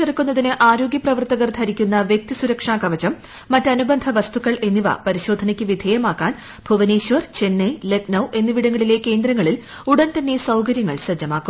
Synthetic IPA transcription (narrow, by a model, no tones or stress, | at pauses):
erɐkːunːɐðinɨʔaːɾo̞ːɡjɐprɐʋɐrt̪ɐɣɐrt̪ʰɐɾikʲːunːɐʋjek̚t̪isuɾɐkʂaːkɐʋɐt͡ɕɐmː | ɐtːɐnubɐnd̪ʱɐʋɐst̪ukːɐɭʔe̞nːiʋɐ̰pɐɾiɕo̞ːd̪ʱɐnɐkʲːɨʋid̪ʱeːjɐmaːkːaːn | bʱuʋɐneːɕʋɐrt͡ɕe̞nːeleknɐwʔe̞nːɨʋiɽɐŋːɐɭile̞ːkːe̞ːnd̪ɾɐŋːɐɭil | uɽɐnt̪ɐnːe̞sɐwkɐɾjɐŋːɐ̰ɭɕɐd͡ʑːɐmaːkːu